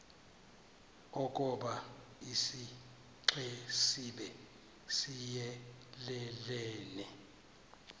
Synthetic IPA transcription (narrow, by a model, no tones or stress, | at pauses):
ok̬ʼɔɓa | isi | ǁɛsiɓɛ | sijɛ | lɛlɛːnɛ